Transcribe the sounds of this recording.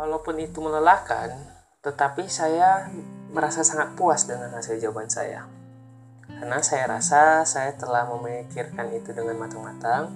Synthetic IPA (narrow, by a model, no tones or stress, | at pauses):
kalawpʊnit̪umələlahka̰n | t̪ət̪apisajaməɾasasaŋat̪̚puasdəŋanhasild͡ʒawabansa̰ja̰ | kanasajaɾa̰sasajat̪əlahməmikirkanit̪udəŋanmat̪aŋmat̪aŋ